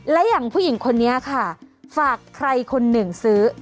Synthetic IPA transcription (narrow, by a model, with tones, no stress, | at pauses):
lɛ˦˥ja˨˩ŋpʰuː˥˩˨ji˨˩˦ŋkʰo˧nːi˦˥˨kʰa˥˩faː˨˩kʰːɾa˧jkʰo˧nːɯ˨˩ŋsɯː˦˥